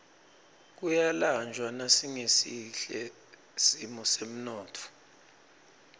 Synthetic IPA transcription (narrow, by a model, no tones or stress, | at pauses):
k̬ujaland͡ʒʱwanasiŋesiɬɛ | simɔsem̩nɔːtʰɔ̥